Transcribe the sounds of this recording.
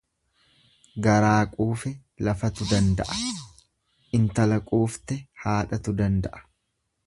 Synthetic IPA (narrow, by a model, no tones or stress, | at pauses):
ɡɐɾaːkʼuːfɛ | lɐfɐt̪ʊd̪ɐnd̪ɐʔɐ̥ | ʔɪnt̪ɐlɐkʼuːft̪ɛhaːᶑɐt̪ʊd̪ɐnd̪ɐʔɐ̥